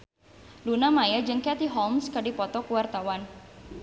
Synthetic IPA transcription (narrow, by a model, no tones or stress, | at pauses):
lunamajəd͡ʒɨŋkɛt̪iɦɔmskadipɔt̪ɔkuwart̪awan